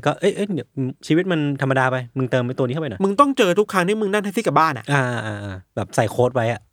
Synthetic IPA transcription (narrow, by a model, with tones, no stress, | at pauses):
kɔː˥˩ʔɤ˦˥˩jʔɤ˦˥˩jni˧˩ɐ˧t͡ɕʰiː˧wi˦˥t̪̚ma˧nt̪ʰa˧mːa˧daː˧pa˧jmɯ˧ŋt̪ɤː˧mːa˧jt̪ni˦˥˩pnɔ˨˦mɯ˧ŋt̪ɔ˥˩ŋt͡ɕɤː˧t̪ʰu˦˥kʰːa˦˥t̪ʰi˥˩jmɯ˧ŋna˥˩ŋt̪a˥˩siː˥˩ka˨˩baː˥˩nʔa̰˨˩ʔʔaː˧ʔːʔaː˧ʔaː˧bɛː˨˩p̚sa˨˩jkʰoː˦˥t̪̚wa˦˥jʔa˨˩ʔ